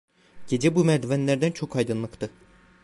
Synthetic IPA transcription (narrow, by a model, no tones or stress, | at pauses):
ɟ̥e̞d͡ʒɛbumæɾd̪vænlʲæɾd̪ænt͡ʃʰo̞kʰajd̪ɯnlˠɯkt̪ʰɯ